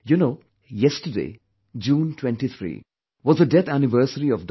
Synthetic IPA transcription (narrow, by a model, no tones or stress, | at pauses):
junoː | jɛsʈədḛː | d͡ʒũːnʈʰwɛ̃nʈit̪ʰɾḭː | ʋɔzəɖɛt̪ʰænɪʋəɾsəɾiɔfd